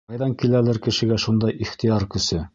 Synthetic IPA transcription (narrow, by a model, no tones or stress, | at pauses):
ɑjðɑŋkilælɘɾkɘ̆ʃɘ̆ɡæʃund̪ɑjʔiχt̪ijɑɾkɵ̆sɘ